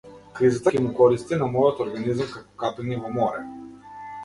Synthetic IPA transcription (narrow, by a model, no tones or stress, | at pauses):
kɾizat̪akʲɛmukɔɾist̪inamɔjɔt̪ɔɾɡanizamkakɔ̥kapɛnivɔmɔɾɛ